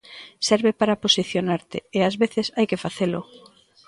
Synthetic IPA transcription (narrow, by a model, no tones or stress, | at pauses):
sɛɾβepaɾaposiθjonaɾt̪ɪ̰ːazβeθɪsajkefaθelʊ̰